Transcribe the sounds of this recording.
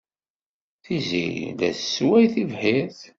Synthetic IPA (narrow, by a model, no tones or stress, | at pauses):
θizḭlæ̰sːwæjθivħiɾθ